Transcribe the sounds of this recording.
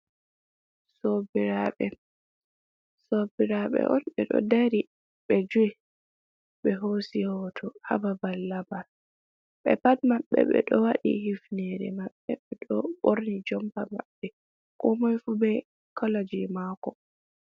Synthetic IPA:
sobiɾaɓɛ | sobiɾaɓɛ̰ʔɔnɓɛɗɔ̰daɾi | ɓɛd͡ʒui | ɓɛɦosihɔtʰɔha̰babalːabal | ɓɛ̰patmaɓːɛ̰ɓɛ̰ɗɔwaɗḭhifnɛɾɛmaɓːɛbɛɗɔɓoɾnid͡ʒɔmpama̰ɓːɛ | kɔmajfubɛ | kɔlad͡ʒimakɔ

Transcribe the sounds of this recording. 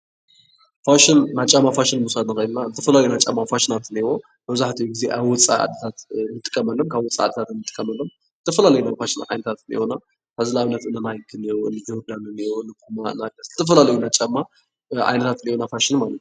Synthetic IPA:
faʃɪnnat͡ʃʼɐmːafaʃɪnmusad̪nɨkɐjnnazɨt̪ʰɐfɐlaljunat͡ʃʼɐmːafaʃɪnat̪ɨniwo | mɐβzaħt̪ʰijuɡize̞̰ʔaβwɔt͡sʼa̰a̰d̪ːɐt̪ʰat̪nːɨt̪ʼɨ̥kʼːɐmɐlːomkʰaβwɔt͡sʼːa̰a̰d̪ːɐt̪ʰat̪nːɨt̪ʼɨ̥kʼːɐmɐlːom | zɨt̪ʰɐfɐlalɐjunafaʃɪnʕa̰jnɐt̪ʰat̪ɨnḭhona | t̪ʰazlaβɨnːɐt̪ɨnːanajɡɨniwoɨnɨzɐd̪anɨnioɨnːɨkʰumaɨnaɡɐszɨt̪ʰɐf̬ɐlalɐjunat͡ʃʼɐmːa | ʔa̰jnɐt̪ʰat̪ɨnihonafaʃɪnmalɐt̪

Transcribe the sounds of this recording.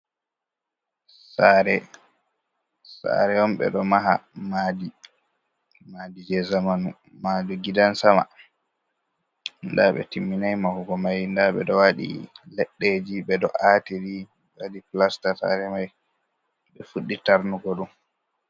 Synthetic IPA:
saɾɛ | sa̰ɾɛɔmɓɛ̰ɗɔmaɦa̰madi | madid͡ʒɛzamanu | maduɡidansama̰ | ndaɓɛ̰timːinajmahuɡɔmajndaɓɛ̰ɗɔwaɗḭlɛɗːed͡ʒiɓɛdɔʔatiɾi | wadiplastasa̰ɾɛmaj | ɓɛfuɗːitaɾnuɡɔɗum

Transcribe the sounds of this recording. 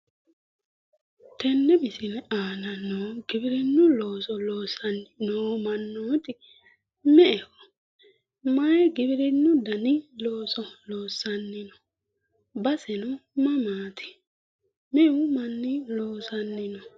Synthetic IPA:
t̪ɛnːɛbɪsɪnɛaːnɐnːoːɡɪbɪɾɪnːʊloːsɔloːsɐnnoːmɐnːoːt̪ɪ | mɛʔɛkɔ̥ | mɐjɛɡɪbɪɾɪnːʊd̪ɐnɪloːsɔloːsːɐnːɪnɔ̥ | bɐsɛnʊmɐmaːt̪ʰɪ̥ | mɛʊmɐnːɪloːsɐnːɪnɔ

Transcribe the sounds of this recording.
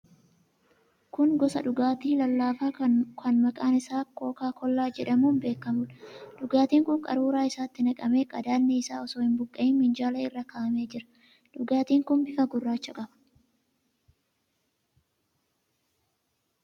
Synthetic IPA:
kʊŋɡɔsɐ̰ᶑʊɡaːt̪iːlɐlːaːfaːkɐnmɐkʼaːnɪsaːkːo̞ːkaːkɔlːaːd͡ʒɛᶑɐmuːnbe̞ːkːɐmʊlɐᶑʊɡaːt̪iːŋkʊŋkʼɐ̰ɾuːɾaːɪsaːt̪ːɪnɐkʼɐme̞ːkʼɐd̪aːnːɛɪsaːɔsoːhɪmbʊkʼːɐɪnmɪnd͡ʒaːlɐɪrːɐkaʔɐme̞ːd͡ʒɪɾɐ̥ | ᶑʊɡaːt̪iːŋkʊnbɪfɐɡʊrːaːt͡ʃːɐkʼɐbɐ̥

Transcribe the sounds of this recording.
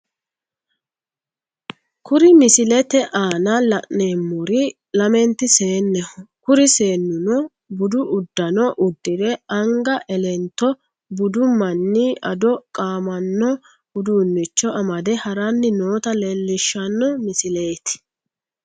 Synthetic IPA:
kʊɾɪmɪsɪlɛt̪ɛʔaːnɐlɐʔneːmːʊɾɪ | lɐmɛnt̪ːɪse̞ːnːɛhɔkʊɾɪseːnːʊnɔ | bʊd̪ʊʔʊd̪ːɐnɔʔʊd̪ːɪd̪ɛɐŋɡɐʔɛlɛnt̪ːɔ | bʊd̪ʊmɐnːiʔɐd̪ɔkʼaːmɐnːɔ | ʊd̪uːnːɪt͡ʃːɔɐmɐd̪ɛhɐɾanːɪnoːt̪ɐlɛlːɪʃːɐnːɔmɪsɪleːt̪ɪ̥

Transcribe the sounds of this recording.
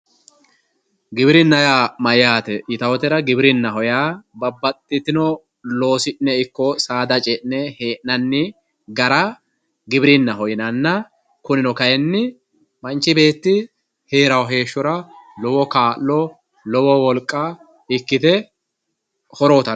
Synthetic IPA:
ɡɪbɪɾɪnːɐjamɐjaːt̪ɛʔɪt̪ɐwɔt̪ɛɾɐɡɪbɪɾɪnːɐɦɔjaːbɐbːɐt̪ʼːɪt̪ɪnɔ | lo̞ːsɪʔnɛɪkːɔsaːd̪ɐt͡ʃʼɛʔnɛhe̞ːʔnɐnːɪ | ɡɐɾɐ | ɡɪbɪɾɪnːɐɦɔjɪnɐnːɐ | kʊnɪnɔkɐjɛnːɪ | mɐnt͡ʃːɪbe̞ːt̪ːɪ | heːɾɐwɦe̞ːʃːɔɾɐlɔwɔkaːʔlːɔ | lɔwɔwɔlkʼːa | ɪkːɪt̪ɛ | hɔɾoːt̪ɐ

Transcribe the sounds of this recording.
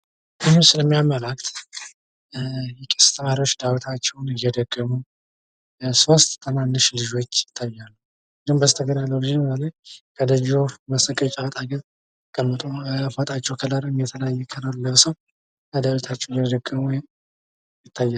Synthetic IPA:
ɨmsɨləmːijaməlak̚t̪ | jɛkʼə̥st̪ʰəmaɾiwot͡ʃːd̪awt̪ʰat͡ʃːɛwnɨjɛd̪əɡ̥ːəmu | so̞st̪ʼt̪ʰːəmanːɨʃlɨʒo̞t͡ʃːjɪt̪ʰːajːalːəw | zihmbəzt̪ʰəɡənalːəwlɨd͡ʒəβələjkʰəd̪əd͡ʒoməsəkʼət͡ʃʼat̪ʼaɡəɾ | kʼəmːɨt̪ʼofat̪ʼat͡ʃːɛwkʰəlaɾɨmjɛt̪ʰələjajːɛkʰələɾləβsəw | kəd̪əwit̪ʰat͡ʃːɛwjɛd̪əɡːəmwjɪm | jɪt̪ʰːajːa

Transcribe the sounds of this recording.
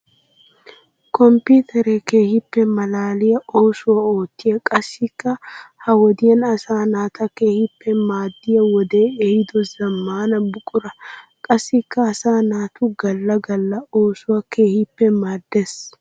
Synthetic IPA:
kɔmpiːt̪ʰɛɾɛke̞ːhɪpːɛmɐlaːlɪjɐoːsʊwɐoːt̪ːɪjɐkʼɐsːɪkːɐhɐwɔd̪ɪjɐnɐsaːnaːt̪ʰɐkeːhɪpːɛmaːd̪ːɪjɐwɔd̪e̞ːehɪd̪ɔzɐmːaːnɐbʊkʼʊɾɐkʼɐsːɪkːɐːsaːnaːt̪ʊɡɐlːɐɡɐlːɐoːsʊwɐke̞ːhɪpːɛmaːd̪ːes

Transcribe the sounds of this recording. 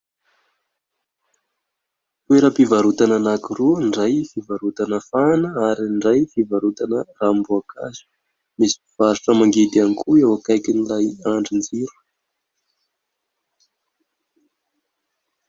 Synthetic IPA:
t̪ueɾəpivaɾut̪ananakiruɳɖ͡ʐajfivaɾut̪anəfanəaɾinɳɖ͡ʐajfivaɾut̪anərambuakʰa̰zu̥ | misi̥piv̥aɾuʈ͡ʂəmaŋɡed̪anikuewakajkʲinilajaɳɖ͡ʐind͡ziɾu̥

